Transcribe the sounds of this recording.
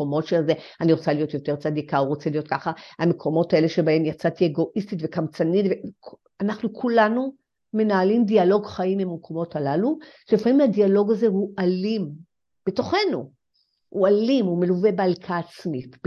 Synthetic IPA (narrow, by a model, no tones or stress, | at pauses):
omo̞tʃelze | aniʁot͡salijo̞t̪jote̞ʁt͡sadikauʁot͡selijo̞t̚kaχahamekʰo̞mo̞tae̞le̞ʃe̞bae̞mjat͡sat̪ieɡo̞ʔistitve̞kamt͡sanitvek | anaχnukʰulanu | me̞naːlimdialo̞ɡχaimimmekʰo̞mo̞talaluʃlifamimhadialo̞ɡazeɦuʔalim | b̥e̞to̞χe̞nu | hualimume̞luvebealkʰaːt͡smit